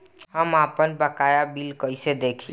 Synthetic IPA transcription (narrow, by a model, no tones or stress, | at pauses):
ɦəmapənbəkajabilkəjsed̪ekʰi